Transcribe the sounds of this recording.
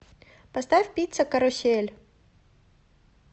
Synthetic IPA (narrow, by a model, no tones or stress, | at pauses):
pɐst̪afʲpʲit̪səkɐɾʊsʲelʲ